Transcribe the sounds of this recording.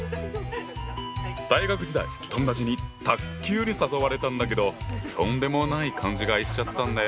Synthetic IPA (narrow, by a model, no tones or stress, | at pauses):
d̪̥aiɡakɯ̟d͡ʑid̪a̰i | t̪õ̞nd̪ad͡ʑiɲ̟it̪akkʲːɨːɲ̟isasoβaɾe̞t̪ãnd̪ak̬e̞d̪o̞t̪ʰõ̞nd̪e̞mo̞naikʰãɲ̟d͡ʑiɡaiɕi̥t͡ɕat̪ːãnd̪a